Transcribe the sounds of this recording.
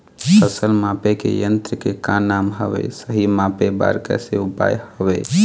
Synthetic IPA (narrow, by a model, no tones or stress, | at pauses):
pəsəlmapekḛjənt̪ɾəkekãnamɦəbḛsəɦimapeba̰ɾkɛ̰seupa̰jhəbɛ